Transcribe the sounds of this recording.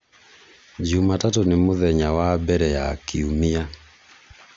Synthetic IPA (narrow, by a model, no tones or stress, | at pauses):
d͡ʒumatatonemoðɛɲawabɛɾɛjakiumia